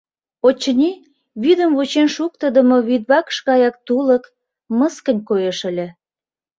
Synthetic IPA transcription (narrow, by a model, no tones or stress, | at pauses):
ot͡ɕːənʲi | βyd̪əmβut͡ɕenʃuk̚t̪əd̪əmoβid̪̚βɑkə̥ʃɣɑjɑk̚t̪ulək | məskə̆nʲkojeʃə̆lʲĕ